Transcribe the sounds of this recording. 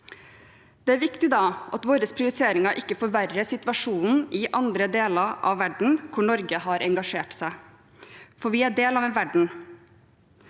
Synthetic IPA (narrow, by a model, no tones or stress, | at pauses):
d̪̥ɛæɾʋɪkt̪ɪd̪ɑːʔɑt̪ʋoːɾəspʰɾɪʊɾɪt̪ʰeːɾɪŋɑʔɪkːəfɔɾʋærːəsɪt̪ʋɑʂuːnn̩ɪʔɑnd̪ɾəd̪eːlɑɾʔɑ̰ʋːæɖɳ̩kʰʊɳɔɾɡəhɑɾʔɛŋɡɑʂeːʈsæɪ | fɔɾʋɪæɖeːlɑːʋɛʋæɖɳ̩